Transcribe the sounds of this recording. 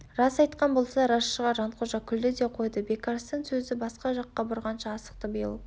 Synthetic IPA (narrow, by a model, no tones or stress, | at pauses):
rɑsɑjt̪qɑnbo̞lˠsɑɾɑʃːəʁɑʒɑnt̪qʰoʒɑkʲʰʏld̪ɪd̪e̞qʰo̞jd̪əbe̞kaɾst̪əŋsɵzɪbɑsqɑʒɑqːɑbʊɾʁɑnʃɑːsə̥q̚t̪əbijlˠə